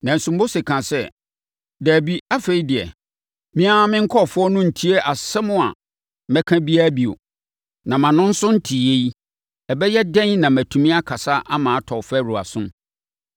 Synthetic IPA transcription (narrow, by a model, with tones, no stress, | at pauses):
nã˨n̩˨sʊ̃˨m˦bo˦se˨kʰã˨sɛ˦˨ | dæː˨bi˦a˦fe˨i˦dɪ˨ɛ̰˨ | mɪ̃˦a˦mɪ̃˦ŋ̩˦kʰɔ˦˨fʊ˦ɔ˦nʊ̃˦n̩˨tʰi˦e˦ʔa˨sɛ˦mʊ̃˦a̰˨ | mɛ̃˦kʰã˦bi˦a˦bi˨o̰˨ | nã˨mã˨nʊ̃˦n̩˦sʊ̃˦n̩˦tʰi˨je˦i˦ | ɛ˨bɛ˦jɛ˦dɛ̃˦nnã˨mæ̃˨tʰũ˨mĩ˦a˦kʰa˨sa˦ʔa˦mãː˨a˦tʰɔ˨fæ˦˨ɾu˨a̰˨sʊ̃˦m